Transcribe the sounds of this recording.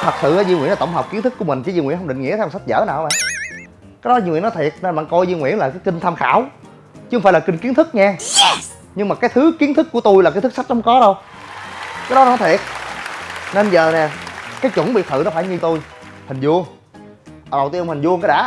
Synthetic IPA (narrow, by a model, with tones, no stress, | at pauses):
t̪ʰə˨˩k̚sɨ̰˧˨aː˧˦zi˧ŋwḭ˧˥nla˨˩t̪wŋ͡mɦɔ˨˩k͡p̚ki˨˦ənt̪ʰɨ˦˥kːu˧əmï˨˩ŋ̟t͡ɕi˧˦zi˧ŋwḭ˧˥nɦə˧ŋ͡mɗï˧˨ŋi˧˥t̪ʰːsa˦˥t̚zə̰ː˧˥˦naː˨˩wa˧˦ɓa̰ː˧˨ | kaː˨˦jɗɔ˨˦zi˧ŋwḭ˧˨˦nɔ˦t̪ʰi˨˩ət̚na˧˩ɓa̰ː˧˨nkɔ˧jzi˧ŋwḭ˧˥ənlaː˨˩kaː˨˦jkï˧ŋ̟t̪ʰaː˧mxa̰ː˧˩˨w | t͡ɕɨ˦˥o˧faː˧˩˦laː˨˩kï˧ŋ̟ki˨˦ənt̪ʰɨ˦˥k̚ɲɛ˧ | ɲɨ˧ŋmaː˨˩kaː˨˦jt̪ʰɨ˨˦ki˨˦ənt̪ʰɨ˦˥kːu˧˩ət̪o˧jlaː˨˩kaː˨˦t̪ɨ˦˥ksa˦˥t̚hə˨˦ŋ͡mkɔ˨˦ɗə˧w | kaː˨˦jɗɔ˨˦n˦nɔ˨˦t̪ʰi˨˩ət̚ | ne˧nzəː˨˩nɛ˨˩kaː˨˦jt͡ɕʊ̰˧˩˦ŋ͡mɓḭ˨ət̚t̪ʰɨ̰˧˨nɔ˨˦faː˧˩jɲɨ˧t̪o˧j | ha˨˩ŋ̟zu˧əŋ˨˩ | ɗə˨˩wt̪i˧mha˨˩ŋ̟zu˧ə˧ŋkɔ˨˦ɗa̰ː˧˥